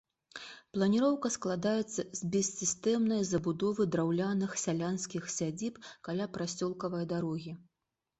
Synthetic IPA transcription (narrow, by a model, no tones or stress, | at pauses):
plˠɐnʲiɾɔwkɐsklˠad̪ajɛt̪sːɐzʲbʲɛsʲsːʲist̪ɛmnɐjzɐbud̪ɔvɨd̪ɾawlʲanɨxsʲalʲanskʲixsʲad͡zʲipkalʲapɾasʲɔlˠkɐvɐjd̪aɾɔɣʲi